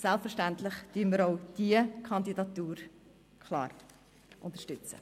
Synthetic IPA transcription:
sɛlpfəɾʃtænt̪lɪχd̥yːməɾɔʊd̥iəkʰɑndidɑt̪uːɾ | kʰlɑ̰ːɾ | ʔʊnt̪əʃtʏt͡sə̰

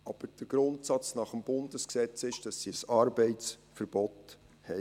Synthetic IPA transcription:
ʔɑb̥əɾd̥əɡ̥ɾʊntsɑt͡snɑχəmb̥ʊndəsksɛt͡sɪʃd̥ɑsːisɑːɾbɛɪtt͡sfəɾb̥ɔt | hɛ

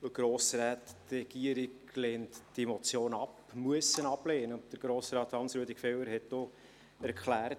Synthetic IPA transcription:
əɡ̥ɾoːsɾaːttrɛɡ̥iəɾɪɡ | leːntd̥emɔt͡sjoːnɑpmuəsənɑb̥leːnəd̥əɾɡ̥ɾoːsɾɑːt̪hɑnsɾuədɪkfɛwəɾhɛtdo | æɾkχlæːɾt

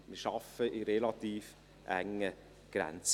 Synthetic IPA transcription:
mɪʃɑfəʔiɾelɑt̪iːf | ʔæŋːə | ɡ̥ɾɛ̰nt͡s

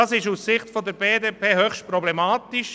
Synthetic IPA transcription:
ɑːsɪʃussɪχtfɔd̪əɾbeːdeːpʰeːhøχʃtpɾɔblɛmɑːtɪʃ

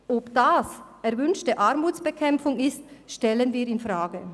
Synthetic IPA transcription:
ʔopd̥aːs | ɛɾvʏnʃtəʔaɾmuːt͡sb̥əkʰɛmfʊŋɪstʃtɛlənviːɾɪnfʁaːɡə

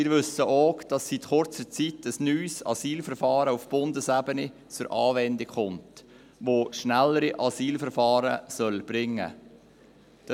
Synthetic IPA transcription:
ɪːɾʋɵsəʔoːkd̥ɑsːitχʊɾt͡sət͡sitʰəsnyːsɑ̰siːlfəɾfɑːɾəufb̥ʊndəsæbəni | t͡sʊɾʔɑːvɛndɪkχʊmt | ʋoːʃnælːəɾiʔɑsiːlfəɾfɑːɾəsœlb̥ɾɪŋːə̰ | d̥

